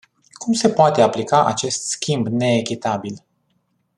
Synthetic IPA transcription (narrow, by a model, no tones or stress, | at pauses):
kumse̞poat̪e̞aplikaʔa̰t͡ʃe̞st̪skʲimbne̞ːkʲit̪abil